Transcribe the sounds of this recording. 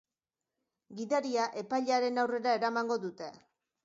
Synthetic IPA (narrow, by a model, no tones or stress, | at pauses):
ɡiðaɾiaʔe̞pajʎaɾe̞nawre̞ɾae̞ɾamaŋɡo̞ðut̪e̞